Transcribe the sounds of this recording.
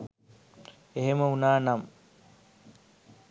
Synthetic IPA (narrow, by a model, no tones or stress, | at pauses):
eɦemɐunaːnɐm